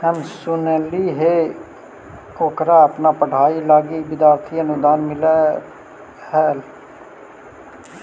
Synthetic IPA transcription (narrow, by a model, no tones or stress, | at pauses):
həmsʊneːliːɦeː | oːkɾaːəpnaːpəɖ̤ʱaːiːlaːɡiːbɪd̪aːɾt̪ʰiːənʊd̪aːnmɪlɛː | hɛːl